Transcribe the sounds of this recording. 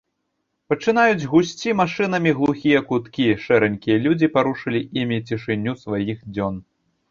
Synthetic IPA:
pɐt͡ʂɨn̪ajud͡zʲɣusʲt͡sʲimaʂɨnɐmʲiɣlˠuxʲijɐkut̪kʲiʂɛɾɛnʲkʲijɐlʲud͡zʲipaɾuʂɨlʲiʔimʲit͡sʲiʂɨnʲːusvajixd͡zʲɔn

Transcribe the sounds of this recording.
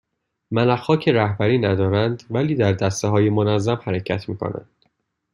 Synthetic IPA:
mælæχɒːcʰeɾæhbæɾiːnæd̪ɒːɾænd̪væliːd̪æɾd̪æst̪eɦɒːjemonæzːæmhæɾecʰæt̪ʰmiːkʰo̰næ̰nd̪̥

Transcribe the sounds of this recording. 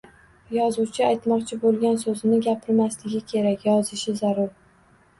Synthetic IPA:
jɒzuwt͡ʃʰɪajt̪mɒqt͡ʃʰɪbolˠɡʲansɵzɪnɪɡʲapʰɪɾmaslɪɡʲɪkʲʰe̞ɾakʲjɒzɪʃɪzaɾʊɾ

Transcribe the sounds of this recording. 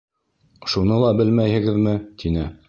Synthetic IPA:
ʃunɤlˠɑbɘlmæjhɘ̆ɡɘ̆ðmɘt̪ʰinɘ

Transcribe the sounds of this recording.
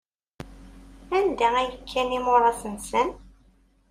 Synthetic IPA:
ænd̪ææjəkʰːænimʊɾˤɑsənsən

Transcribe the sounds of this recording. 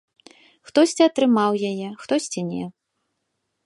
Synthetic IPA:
xt̪ɔsʲt͡sʲiɐt̪ɾɨmawjajɛxt̪ɔsʲt͡sʲinʲɛ̰

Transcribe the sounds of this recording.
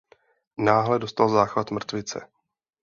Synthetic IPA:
naːɦlɛdost̪alzaːxɾat̪mr̩t̪vɪt͡sɛ̰

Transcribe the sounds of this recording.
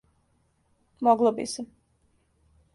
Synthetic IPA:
mɔɡlˠɔbḭsɛ

